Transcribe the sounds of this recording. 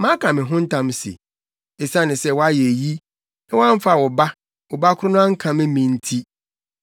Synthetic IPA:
mãː˦kʰã˨mɪ̃˨ɦʊ̃˦n̩˦tʰã˦msḛ˨ | e˨sã˦˨nɪ̃˨sɛ˦˨wɔ˦a˦jɛ˨e˨ji˦ | ɛ˦wɔ˦ã˦ɱ˦fa˦˨wɔ˨ba˦ | wɔ˨ba˦kʰʊ˦ɾʊ˦nʊ̃˦ã˦ŋ̩˦kʰã˨mɪ̃˦mĩ˨n̩˦tʰi˦

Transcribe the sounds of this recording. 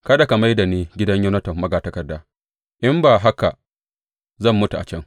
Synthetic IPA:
kɐ˦da˨ka˨ma˦jda˨neː˦ɡʲɪ˦dɐ˦ɲjɐ˦nɐ˦tɐ˨mːɐ˦ɡaː˨tɐ˦kɐ˨dːaː˦ | ʔɪ˦mbaː˨ɦa˦ka˨ | zɐ˦˨mːʊ˦tu˨ʔa̰˨t͡ʃɛ˦ŋ

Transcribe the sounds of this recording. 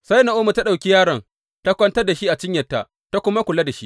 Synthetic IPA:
sa˦jna˨ʔoː˦mu˨ta˦ɗa˨wkʲi˦jaː˦ɽɐ˨ŋ | ta˦kʷɐ˦ntɐ˦rda˨ʃi˦ʔa˨t͡ʃɪ˦ɲjɐ˨tːa˦ʔ | ta˦kʷʊ˦ma˦kʷʊ˨la˦da˨ʃi˦ʔ

